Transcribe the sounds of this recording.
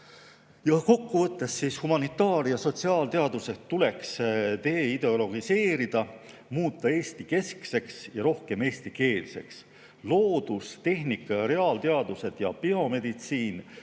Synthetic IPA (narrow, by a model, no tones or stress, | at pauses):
jɑko̞kːuvɤt̪ˑːe̞sːiːshumɑnit̪ːˑɑːɾjɑso̞t̪siɑːlt̪e̞ɑd̪uset̪ːule̞kst̪eːid̪e̞o̞lo̞ɡise̞ːɾid̪̥ɑ | muːt̪ˑːɑe̞ːst̪ike̞skse̞ksjɑɾo̞hke̞me̞ːst̪ike̞ːlse̞̰ks | lo̞ːd̪̥ust̪e̞ɦnikːˑɑjɑɾe̞ɑːlt̪e̞ɑd̪use̞d̪̥jɑpio̞me̞d̪̥it̪siːn